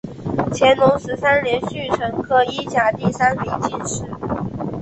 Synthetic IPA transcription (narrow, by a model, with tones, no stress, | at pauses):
t͡ɕʰjɛ˧˥nlʊ˧˥ŋʂɻ̩˧˥sa˥nljɛ˧˥nɕy˥˩ʈ͡ʂʰɤ˧˥ŋkʰɤ˥˧i˥t͡ɕja˨˩t̪i˥˩sa˥nmi˧˥ŋt͡ɕi˥˩nʂɻ̩˧˥